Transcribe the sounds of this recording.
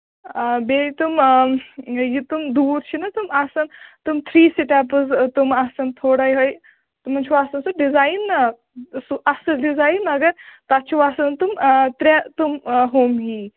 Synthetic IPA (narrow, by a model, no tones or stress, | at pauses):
beit̪um | jit̪umd̪uːɾt͡ʃʰinɐt̪umasɐnt̪umt̪ʰɾiːsiʈap̬əzt̪umasɐnt̪ʰoɽajɦəj | t̪um̤ɐnt͡ʃʰiʋasɐnsuɖizajnːɐ | suʔɐsəɖizajnmɐɡɐɾt̪at͡ʃʰiʋasɐnt̪umt̪ɾɛt̪umɦomɦi